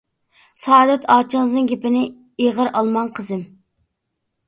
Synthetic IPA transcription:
sɑːd̪ɛt̪ʰɑːt͡ʃʰəŋɨznɨŋɡʲepɪnɪ | eʁəɾɑlˠmɑnqʰəzɪm

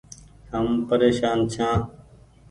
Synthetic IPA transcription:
ɦəmpəɾeːʃaːnt͡ʃʰãː

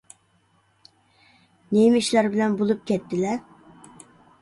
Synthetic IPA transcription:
nemiʃlæɾbɪlɛnbolˠup̚kʲʰɛt̪ʰːɪlɛ

